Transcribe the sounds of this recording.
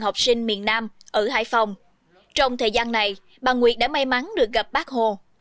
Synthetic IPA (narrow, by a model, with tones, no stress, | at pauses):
ha˨˩wk͡p̚sï˧ŋ̟mḭ˧˨ənːaː˧mʔəː˧˩ha̰ː˧˥˨jfa˨˧˩wŋ͡m | t͡ɕɔ˧wŋ͡mt̪ʰəː˨˩jzaː˧nːa˨˩j | ɓaː˨˩ŋwḭ˨˩ət̚ɗa̰ː˧˥ma˧jma˨˦nɗɨ˨˩ək̚ɣə˨˩p̚ɓaː˦˥k̚ho˧˩